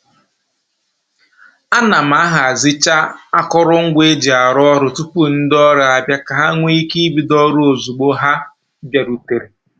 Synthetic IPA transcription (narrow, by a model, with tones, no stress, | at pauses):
a˦na˨m̩˨a˦ɦa˨a˨zi˦t͡ʃa˦a˦kɔ˦ɾʊ˦ŋ̩˦ɡʷe˦d͡ʒi˨a˨ɾɔ˦ɾʊ˨tu˦pu˦n̩˦dɔ˦ɾa˨a˨bja˦ka˨ɦa˦ŋʷe˦i˦ki˦i˦bi˨dɔ˦ɾo˦o˨zu˨ɡ͡bo˦ɦa˦ | bja˨ɾu˨te˨ɾe˨